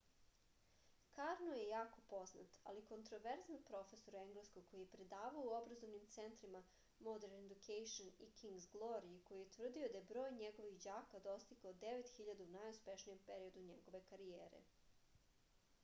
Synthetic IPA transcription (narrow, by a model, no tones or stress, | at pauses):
kaɾnojejaːko̞po̞zna̰t̪a̰liko̞nt̪ɾo̞ʋeɾznanpɾo̞fe̞soɾe̞ŋɡleskoɡko̞jijepɾe̞d̪aːʋaouobɾazo̞ʋnimt̪sent̪ɾima | mod̪eɾned̪ukʰejʃonikʰiŋɡzɡlˠoɾieko̞jijet̪ʋr̩d̪iod̪ajebɾo̞ːjɲeɡo̞ʋixd͡ʑaːkad̪o̞st̪ikaod̪eʋet̪xiʎad̪uunajuspeʃnije̞mpeɾio̞d̪uɲeɡo̞ʋe̞kaɾijeːɾḛ